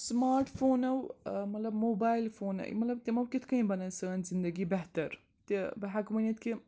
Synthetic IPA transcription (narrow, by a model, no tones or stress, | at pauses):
smaːɾʈfoːnɐwmɐt̪lɐbmoːbaːɪlfoːnɐ̰j̰mɐt̪lɐb̚t̪emɐwkit̪ʰkɐĩbɐnɐsɐːnzɪ̃nd̪ɐɡibɛɦt̪ɐɾ | t̪ebɐɦɐkmɐnɐt̪̚ki